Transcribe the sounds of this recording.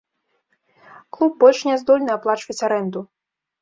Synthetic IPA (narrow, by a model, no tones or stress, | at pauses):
klˠub̚bɔlʲʂnʲɛzd̪ɔlʲnɨaplˠat͡ʂvɐt͡sʲaɾɛnd̪u